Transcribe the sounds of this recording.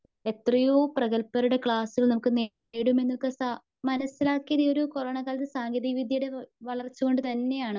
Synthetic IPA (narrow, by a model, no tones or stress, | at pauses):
e̞t̪rɐjoːprɐɣɐlpːɐɾuɽe̞kɭaːsilnɐmukːɨneː | ɽume̞nːilkɨsa | mɐnɐsːilaːkːijɐðijo̞ɾuko̞rɐːɳɐkaːlɐt̪ːɨsaːŋɡɐðiʋid̪ʱjɐjuɽe̞ʋɐɭɐrt͡ɕːuɣo̞ɳɖɨt̪ɐnːe̞jaːɳɨ